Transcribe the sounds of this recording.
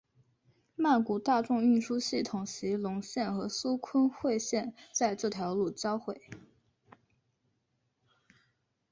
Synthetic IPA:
ma˥˩ku˨˩t̪a˥˧ʈ͡ʂʊ˥˧ŋy˥˩ʂu˥ɕi˥˩t̪ʰʊ˨˩ŋɕi˧˥lʊ˧˥ŋɕjɛ˥˩nxɤ˧˥su˥kʰə˥nxwe˥˧ɪɕjɛ˥˧nt͡sa˥˧ɪʈ͡ʂɤ˥˩t̪ʰjɑ˧˥ʊlu˥˩t͡ɕjɑ˥ʊxwe˥˩ɪ

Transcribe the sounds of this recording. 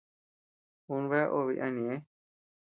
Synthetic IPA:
u˧nβe˦a˦ʔo˧βi˧ʔã˧nĩ˨ẽ˦

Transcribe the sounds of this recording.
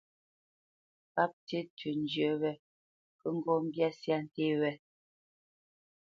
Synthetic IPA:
pa˦p̚te˦tʰʉ˨n˨d͡ʒjə˨wɛ˦ | kə˦ŋ̩˦ɡɔ˦m̩˦bja˦sja˦n̩˨te˦wɛ˦

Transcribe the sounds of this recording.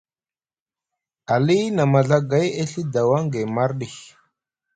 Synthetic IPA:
a˨li˦na˨ma˨ɮa˦ɡa˨˦je˦ɬi˦da˨wa˦ŋɡe˨ma˦ɾɗi˨x

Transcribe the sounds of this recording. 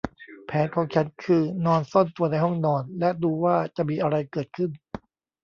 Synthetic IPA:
pʰɛː˩˦nkʰɔː˨˦ŋt͡ɕʰa˦˥nkʰɯː˧nɔː˧nso˥˩nt̪u˧ɐna˧jɦɔ˥˩ŋnɔː˧nlɛ˦˥ʔduː˧waː˥˩t͡ɕa˨˩ʔmiː˧ʔa˧ɾa˧jkɤː˨˩t̪̚kʰɯ˥˩n

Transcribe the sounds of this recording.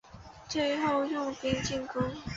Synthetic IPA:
t͡swe˥˧ɪxo˥˧ʊjʊ˥˩ŋpi˥ŋt͡ɕi˥˩ŋkʊ˥ŋ

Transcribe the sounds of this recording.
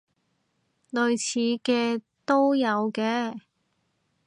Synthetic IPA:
lɵ˨ɥt͡sʰiː˨˧kɛː˧ | t̪o˥wjɐ˨˧wkɛː˧

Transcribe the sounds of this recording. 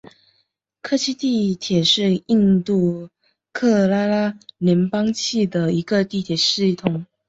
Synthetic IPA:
kʰɤ˥˧t͡ɕʰi˥t̪i˥˩t̪ʰjɛ˨˩ʂɻ̩˥˧i˥˧nt̪u˥˩ | kʰɤ˥˩la˥la˥ljɛ˧˥npɑ˥ŋt͡ɕʰi˥˩d̪ə˩i˧˥ɡə˧t̪i˥˩t̪ʰjɛ˨˩ʂ̩˥˩t̪ʰʊ˨˩˦ŋ

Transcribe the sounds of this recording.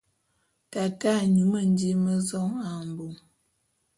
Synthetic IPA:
ta˨ta˦ɲu˨mə˦˨n˦di˦mə˦zɔ˦ŋa˨m˨bo˨ŋ

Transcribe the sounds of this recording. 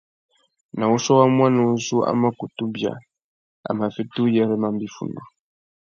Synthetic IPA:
nã˨wu˦sɔ˦wa˦mwã˦nũ˨n̩˦su˦a̰˦ma˦ku˨tu˦bja̰˨ | a̰˨mã˨fi˦tu˦jɛ˦ɾɛ˦mã˦m˦bi˦fṵ˨nɔ˨

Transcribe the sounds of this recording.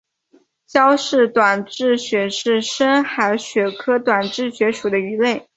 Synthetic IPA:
ɕjɑ˥ʊʂɻ̩˥˩t̪wa˨˩nʈ͡ʂɻ̩˥˩ɕɥɛ˧˥ʂɻ̩˥˩ʂə˥nxa˧˥ɪɕɥɛ˧˥kʰɤ˥t̪wa˨˩nʈ͡ʂɻ̩˥˩ɕɥɛ˧˥ʂu˨˩d̪ə˦y˧˥le˥˩ɪ

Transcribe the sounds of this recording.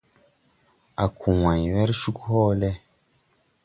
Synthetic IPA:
a˨kʰu˨wã˨jwɛ˦ɾʃu˦khoː˦lɛ˦

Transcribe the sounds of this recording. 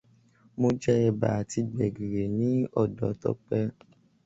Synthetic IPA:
mo˧d͡ʒɛ˦ɛ˧˨ba̰˨a˨ti˧ɡ͡bɛ˨ɡe˨ɾe˨nĩ˨˦ɔ˦˨dɔ˨˦tɔ̰˦k͡pɛ˦

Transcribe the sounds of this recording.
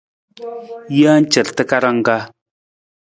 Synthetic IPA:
ja˦n̩˦t͡ʃə˨ɾtə˦ka˦ɾa˦ŋ˦ɡa˦

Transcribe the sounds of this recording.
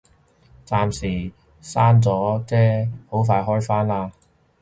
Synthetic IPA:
t͡saː˧msiː˨˩ | saː˥nt͡sɔː˨˥t͡sɛː˥ho˨˥wfaː˧jɦɔː˥jfaː˥nlaː˧

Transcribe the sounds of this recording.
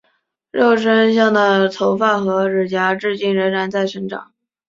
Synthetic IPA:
ɻo˥˩ʊʂə˥nɕjɑ˥˩ŋd̪ə˩t͡s̪ʰo˧˥ʊfa˥˩xɤ˧˥ɻɻ̩˨˩t͡ɕja˧˥ʈ͡ʂɻ̩˥˧t͡ɕi˥˩ŋɻə˧˥nɻa˧˥nt͡sa˥˩ɪʂə˧˥ŋʈ͡ʂɑ̰˨˩˦ŋ

